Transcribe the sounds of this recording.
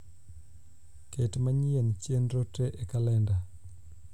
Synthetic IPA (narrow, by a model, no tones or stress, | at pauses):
ketmaɲient͡ʃenɾoteʔekalɛnda